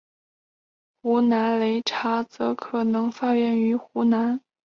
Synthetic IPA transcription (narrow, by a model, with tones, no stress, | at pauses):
xu˧˥na˧˥nle˧˥ɪʈ͡ʂʰa˧˥t͡sɤ˧˥kʰɤ˨˩nɤ˧˥ŋfa˥˧ɥɛ˥˩ny˧˥xu˧˥na˧˥n